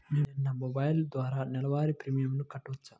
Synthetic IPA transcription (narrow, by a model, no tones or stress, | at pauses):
nininːɐmɔbɐjld̪ʋaːɾaːnɛlɐʋaːɾipɾimijɐmnukɐʈːuʋɐt͡ʃːaː